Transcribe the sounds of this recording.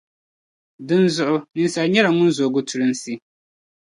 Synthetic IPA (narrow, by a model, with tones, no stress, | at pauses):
dɨ˦nzʊ˨ʔʊ˦nɨ˨˦nsa˨lɲɛ˦ɾa˨ŋʊ˦nzoː˨ɡʊ˦tʊ˨ɾɨ˦nsi˦